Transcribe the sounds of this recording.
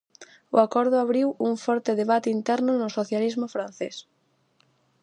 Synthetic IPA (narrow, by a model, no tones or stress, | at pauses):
ʊ̰akɔɾð̞ʊaβɾiwuŋfɔɾt̪eðeβat̪eint̪ɛɾnʊnʊsoθjalizmʊfɾan̟θes